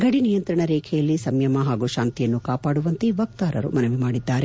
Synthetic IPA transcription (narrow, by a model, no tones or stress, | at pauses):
ɡɐɽinijɐnt̪ɾɐɳɐɾɛːkʰɛjɐlːisɐmjɐmɐɦaːɡuʃaːnt̪ijɐnːukaːpaːɽuʋɐnt̪iʋɐk̚t̪aːɾɐɾṵmɐnɐʋimaːɽid̪ːaːɾe